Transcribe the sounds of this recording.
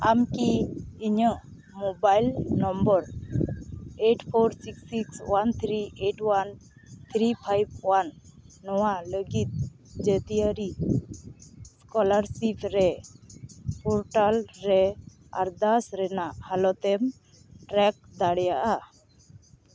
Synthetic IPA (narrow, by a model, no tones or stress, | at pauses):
amkiiɲəʔ | mɔbajlnɔmbəɾ | eʈpʰɔɾsiksikswant̪ʰɾiʔeʈwan | t̪ʰɾipʰajb̚wanːɔwaləɡit̪̚ | d͡ʒət̪ijəɾi | skɔlaɾsipʰɾɛ | pʰɔɾʈalɾɛ | a̰ɾd̪asɾɛnaʔhalɔt̪ɛm | ʈɾɛk̚d̪aɽɛjaʔa